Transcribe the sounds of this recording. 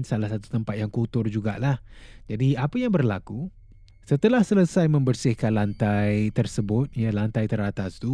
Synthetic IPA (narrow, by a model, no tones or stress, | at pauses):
nsalahsat̪u̥t̪əmpat̪̚jaŋkut̪ʊrd͡ʒuɡa̰lahd͡ʒadiapajaŋbərlaku | sət̪əlahsələsajmə̃mbərsɪhkanlant̪ajt̪ərsəbʊt̪̚jalant̪ajt̪əɾat̪ast̪u